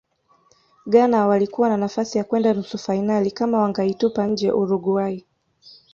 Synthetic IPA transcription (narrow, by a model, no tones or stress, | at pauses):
ɠanawalikuwananafasijakwɛndanusufainalikamawaŋɡaitupaɲ̩d͡ʒɛ̰ʔuɾuɡuai